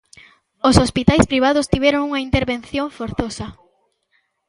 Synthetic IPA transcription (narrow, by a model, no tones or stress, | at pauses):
osospit̪ajspɾiβ̞aðʊst̪iβɛɾoŋuŋɐint̪eɾβenθjoɱfoɾθosɐ